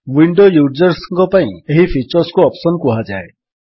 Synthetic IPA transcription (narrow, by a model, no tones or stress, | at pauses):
wiɳɖojud͡ʒɔɾsʌŋkɔpaĩeɦipʰit͡ʃɔɾskoɔpsɔnkuɦad͡ʒa̰e